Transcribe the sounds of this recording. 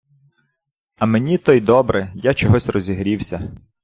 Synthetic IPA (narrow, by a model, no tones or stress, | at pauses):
ɐmenʲit̪ɔjd̪ɔbɾɛjat͡ʃɔɦɔsʲrɔzʲiɦɾʲiwsʲɐ